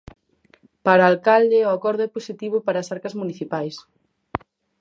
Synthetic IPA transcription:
paɾaːlkald̪ɪʊakɔɾðʊɛposit̪iβ̞ʊpaɾaːsaɾkɐzmuniθipajs

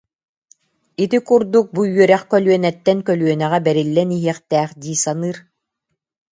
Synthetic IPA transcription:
it̪ikuɾd̪uk̚bujyœɾɛχkœlyœnɛt̪ːɛnkœlyœnɛʁɛbɛɾilːɛniɦiɛχt̪ɛːχd̪iːsanɯːɾ

